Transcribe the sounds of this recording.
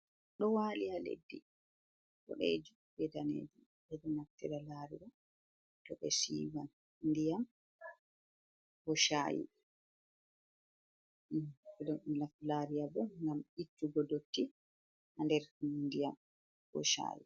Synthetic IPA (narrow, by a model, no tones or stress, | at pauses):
ɗɔwaːlijalḛdːi | ɓɔ̰ɗḛːd͡ʒu | bɛdanḛːd͡ʒu | bɛdɔnaftɛɾalaːɾiɗɔ | tɔɓɛ̰sḭwan | ndijam | bɔʃa̰jḭ | ɛdɔmilaflaɾijabɔŋɡamitːuɡɔdotːi | handɛɾndijam | bɔ̰ʃa̰ːjḭ